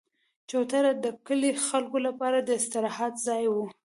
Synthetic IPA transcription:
t͡ʃawt̪aɾad̪əkəlexalkolapɑɾad̪əɪst̪ɪɾɑhɑt̪zɑjwu

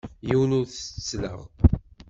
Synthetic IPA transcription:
jiwənʊɾθət͡sːlə̰ʁ

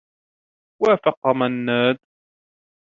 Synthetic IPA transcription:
waːfɑqɑmanːaːd̪

